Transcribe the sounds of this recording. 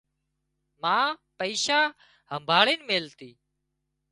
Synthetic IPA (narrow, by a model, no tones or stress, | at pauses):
mãːpəiːʃaː | ɦəmbʱaːɭiːnmeːlt̪iː